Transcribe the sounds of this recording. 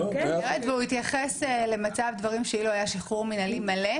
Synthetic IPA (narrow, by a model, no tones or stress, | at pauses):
iʁetveuit̪jaχesele̞mat͡savd̪vaʁimʃeiloajaʃiχuʁminalimale